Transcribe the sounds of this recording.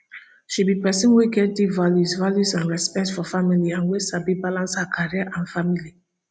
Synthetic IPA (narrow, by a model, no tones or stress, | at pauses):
ʃibipɛsə̃nweɡɛt̚divaljuzvaljuzãnɹɛspɛk̚tfɔfamiliãnwesabibalãnshakʰaɹiəʔãnfamili